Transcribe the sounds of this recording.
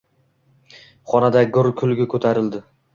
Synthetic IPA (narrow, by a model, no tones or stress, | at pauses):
χɒnad̪aɡʊɾkʲʰʊlˠɡʲɪkʰɵt̪ʰaɾɪld̪ɪ